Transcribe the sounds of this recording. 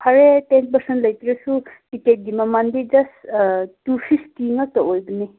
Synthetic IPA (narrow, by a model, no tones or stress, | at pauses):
kʰɐɾetenpɐɾsentlɐjt̪iɾesukiket̚d̪imamand̪id͡ʒɐstusʰistiŋɐt̪ɔʔojbini